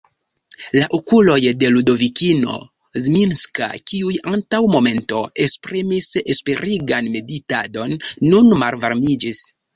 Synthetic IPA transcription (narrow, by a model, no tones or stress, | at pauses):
laʔokulo̞jde̞ludo̞vikino̞̰ | zminska̰kiujantawmo̞me̞nto̞e̞kspɾimise̞spe̞ɾiɡanme̞ditado̞nːunmalvaɾmid͡ʒis